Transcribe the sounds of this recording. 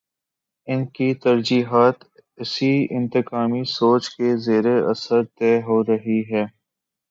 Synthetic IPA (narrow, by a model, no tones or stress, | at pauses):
ɪnkit̪ɐɾd͡ʒiːɦaːt̪ | ɪsiɪ̃nt̪ɪkaːmisoːt͡ʃkezeːɾeɐ̰səɾt̪ɛːɦoːɾɐɦiɦɛː